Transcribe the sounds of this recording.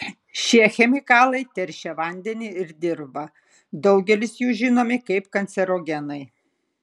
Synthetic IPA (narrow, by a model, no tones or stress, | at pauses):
ʃʲiɛxʲɛmʲɪkɑːlˠɐɪt̪ʲɛɾʲʃʲɛʋɐnʲd̪ʲɛnʲɪɪɾd̪ʲɪɾbɐ | d̪ɒʊɡʲɛlʲɪsjuːʒʲɪnoːmʲɪkɐɪpkɐnʲt̪sʲɛɾoːɡʲɛnɐɪ